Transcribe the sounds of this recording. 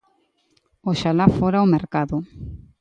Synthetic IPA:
oʃalafoɾaomeɾkaðʊ

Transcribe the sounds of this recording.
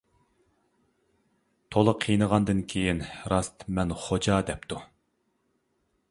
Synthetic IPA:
t̪ʰolˠəqʰijnəʁɑnd̪ɨnkʲʰejinɾɑst̪mɛnχod͡ʒɑd̪ɛp̚t̪ʰu

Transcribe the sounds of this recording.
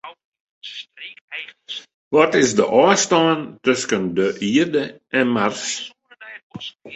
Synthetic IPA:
ʋɔtɪsdəʔɑːstɑːntøskəndəʔiərdəʔɛnmars

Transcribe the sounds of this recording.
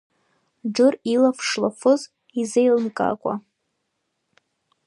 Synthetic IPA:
ɖ͡ʐɨrilafʂlafʰɨz | izejlɨnkʼa̰kʷʼa̰

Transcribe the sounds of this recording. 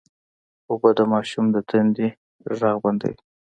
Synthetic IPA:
obəd̪əmɑʃumd̪ət̪ʰand̪i | ɾɑɣband̪ə̰wi

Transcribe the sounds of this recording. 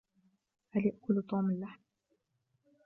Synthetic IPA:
haljaʔkʊlt̪ˤoːmɪlːaħm

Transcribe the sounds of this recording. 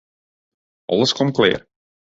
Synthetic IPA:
ʔɑ̰lˠəskɔmklɪ̰ːr

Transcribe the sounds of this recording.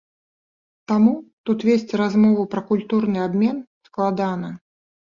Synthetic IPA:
t̪amut̪ut̪vʲesʲt͡sʲɾazmɔvupɾɐkulʲt̪urnɨabmʲɛn | sklˠad̪anɐ

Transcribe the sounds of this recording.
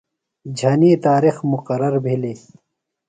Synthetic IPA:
d͡ʑʱɐniːt̪aːɾixmuqɐɾɐɾbʱiliː

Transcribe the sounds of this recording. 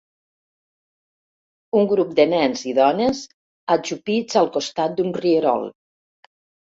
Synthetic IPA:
uŋɡɾup̚d̪ənɛnziðɔnəz | ad͡ʒupid͡zalˠkost̪at̪̚d̪unriəɾɔ̰lˠ

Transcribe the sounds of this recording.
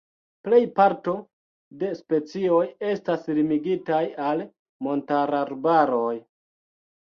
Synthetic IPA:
ple̞jpaɾto̞ | de̞spe̞t͡sio̞je̞staslimiɡitajal | mo̞ntaɾaɾbaɾo̞j

